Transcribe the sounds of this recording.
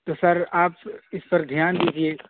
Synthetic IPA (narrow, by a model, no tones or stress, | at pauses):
t̪osɐɾaːpɪspɐɾd̪ʱjaːnd̪iːd͡ʒieː